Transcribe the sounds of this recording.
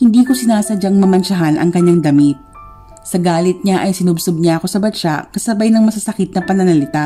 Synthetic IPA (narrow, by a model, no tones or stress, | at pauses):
hɪnd̪iːko̞sɪnaːsɐd͡ʒaŋmɐmɐnʃɐɦanʔɐ̰ŋkɐɲːaŋd̪ɐmit̪̚ | sɐɡaːlɪt̪̚ɲaʔɐjsɪnʊbsob̚ɲaʔɐko̞sɐbɐt͡ʃa̰kɐsɐbajnɐŋmɐsɐsɐkɪt̪̚nɐpɐnɐnɐlɪt̪a